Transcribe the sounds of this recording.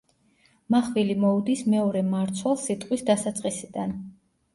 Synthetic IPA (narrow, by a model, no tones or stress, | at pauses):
maχvilimɔud̪ismɛɔɾɛmaɾt̪sʰwɛlˠsit̪ʼqʼwisd̪asat̪sʼqʼisid̪an